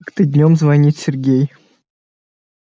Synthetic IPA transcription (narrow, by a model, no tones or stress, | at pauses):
kt̪ɨd̪ʲnʲomzvɐnʲit̪ʲsʲɪrɡʲej